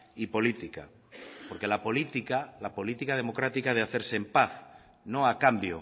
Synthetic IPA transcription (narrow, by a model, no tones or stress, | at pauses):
ipo̞lit̪ika̰ | po̞ɾke̞lapolit̪ikalapo̞lit̪ikað̞e̞mo̞kɾat̪ikaðeaθe̞ɾseempaθ | nõ̞akambjo̰